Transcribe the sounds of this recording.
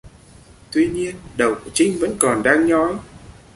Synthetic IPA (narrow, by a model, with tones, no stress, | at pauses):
t̪wi˧ɲi˧ənɗə˨˩wku˧˩ət͡ɕï˧ŋ̟və̰˧˥nkɔ˨˩nɗaː˧ŋɲɔ˨˦j